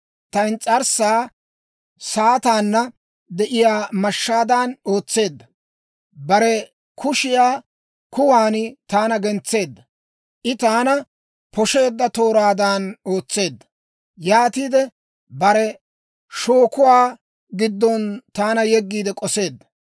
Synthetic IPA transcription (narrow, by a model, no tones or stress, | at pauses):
t̪ɐnt͡sʼɐɾsaː | saːt̪aːnːɐ | d̪ɛʔɪjaːmɐʃːaːd̪aːno̞ːt͡sːe̞ːd̪ːɐ | bɐɾɛ | kʰʊʃɪjaː | kʊwaːnɪt̪aːnɐɡɛnt͡sːe̞ːd̪ːɐ | ʔɪt̪aːnɐ | pʰɔʃe̞ːd̪ːɐt̪o̞ːɾaːd̪aːno̞ːt͡sːe̞ːd̪ːɐ | jaːt̪iːd̪ɛ | bɐɾɛ | ʃo̞ːkʊwaː | ɡɪd̪ːɔnt̪aːnɐjɛɡːiːd̪ɛkʼɔse̞ːd̪ːɐ̥